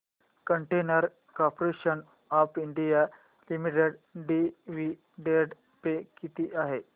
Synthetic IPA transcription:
kəɳʈenəɾ | kɔpɾeɕən | ɔpʰiɳɖija | limiʈeɖɖiʋi | ɖeɖ | pekit̪iːʔaɦe

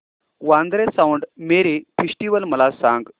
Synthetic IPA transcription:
ʋãnd̪ɾesawɳɖmeɾifʰisʈiʋəlməlasãŋɡ

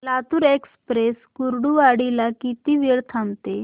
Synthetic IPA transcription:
lat̪uːɾekspɾeskuɾɽuaɽilakit̪iːʋiɭt̪ʰamt̪e

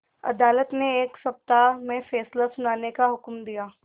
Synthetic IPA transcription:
ɐ̰d̪aːlət̪neeːksɐp̚t̪amẽfeːslasʊnaːnekaɦʊkmd̪ijaː

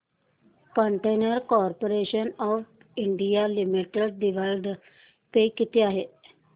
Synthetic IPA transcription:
kəɳʈeːnəɾkɔːɾpoːɾeːʃənɔːf | ɪɳɖijaːlɪmiʈəɖ̚ɖɪʋəlɖ | pekɪt̪ɪjaːɦeː

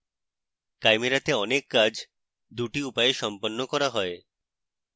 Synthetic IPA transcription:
kajmeɾat̪eɔnekːad͡ʑʱ | d̪uʈiupaeʃɔmponːokɔɾaɦɔe

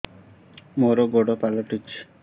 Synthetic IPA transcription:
moɾoɡoɽopalɔʈut͡ʃʰ

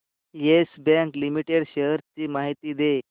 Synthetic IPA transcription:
jesbɛ̃ŋklimiʈeɽɕeɦɾt͡ɕiːmaɦit̪iːd̪e

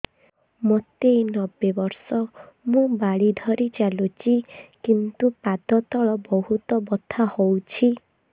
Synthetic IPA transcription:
mot̪enɔbːebɔɾsɔmũbaɽid̪ʱɔɾit͡ʃalut͡ʃikint̪upad̪ɔt̪ɔɭɔbɔɦut̪ɔbɔt̪ʰahowt͡ʃʰi

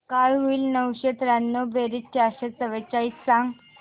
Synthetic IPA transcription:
kajɦoiːlnəwɕet̪ɾanːobeɾitt͡ɕaɕet͡səʋet͡ɕait̪sãŋɡ

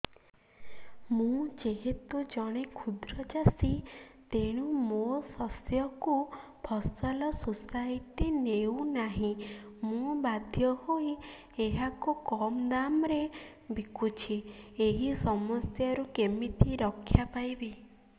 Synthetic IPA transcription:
mũd͡ʒeɦet̪ud͡ʒɔɽ̃ekʰud̪ɾɔd͡ʒasit̪eɽ̃umosɔsjɔku | pʰɔsɔlɔsusait̪inewnaɦĩmũbad̪ʱjɔhoi | eɦakukɔmd̪amɾe | bikut͡ʃʰieɦisɔmɔst̪jaɾukemit̪ʰiɾɔkʰːjapajbi

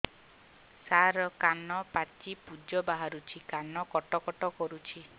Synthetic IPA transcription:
saɾɔkanɔpat͡ʃipud͡ʒɔbaɦaɾut͡ʃʰikanɔkɔʈɔkɔʈɔkɔɾut͡ʃʰi

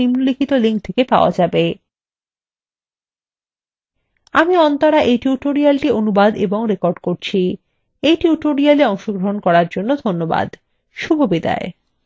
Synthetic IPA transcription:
imlikʰit̪oliŋk̚t̪ʰekepaoa̰d͡ʑabe | amiɔnt̪oɾaʔejʈiuʈoɾialʈionubad̪eboŋɾekoɾɖkoɾt͡ɕʰi | ejʈiuʈoɾialeɔŋʃoɡɾoɦonkɔɾaɾd͡ʑonːod̪ʱonːoba̰d̪ | ʃubʱobid̪a̰e

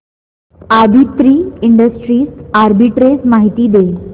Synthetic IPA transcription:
aɾbʱit̪ɾiːiɳɖəsʈɾiːsaɾbiʈɾesmaɦit̪iːd̪e

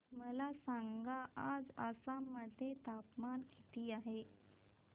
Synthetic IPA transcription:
məlasaŋɡaad͡zəsaməd̪ʱet̪apmankit̪iːaɦe

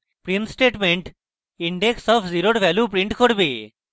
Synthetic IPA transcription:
pɾinsʈeʈmeɳʈ | iɳɖeksɔpʰziɾoʈʋɛlupɾiɳʈkʰoɽbe

